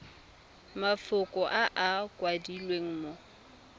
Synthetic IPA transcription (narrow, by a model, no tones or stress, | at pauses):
mafʊkʼɔʔaʔakʼwadilweŋ̩mo